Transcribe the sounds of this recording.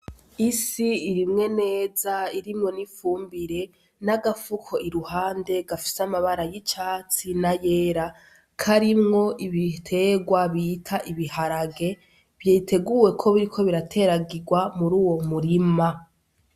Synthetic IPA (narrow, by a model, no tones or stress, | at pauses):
isiːɾimŋe̞ne̞ːzaiɾimŋo̞nifuːmbiɾe̞ | naɡafukʰo̞iɾuhaːnde̞ɡafi̥samaβaɾajit͡ʃaːt͡sinaje̞ːɾa | kʰaɾimŋo̞ʔiβitʰe̞ɡwaβitʰaʔiβihaɾaɡe̞ | βjeːtʰe̞ɡuwe̞kʰo̞βiɾikʰo̞βiɾatʰe̞ɾaɡiɡwamuɾuːwo̞muɾima